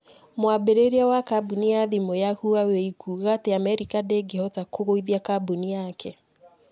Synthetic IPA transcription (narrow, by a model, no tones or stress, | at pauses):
mwabeɾeɾiawakabuniaðimojahuaweikʰuɣateamɛɾikadeɡehɔtakʰoɣoiðiakabunijakʰɛ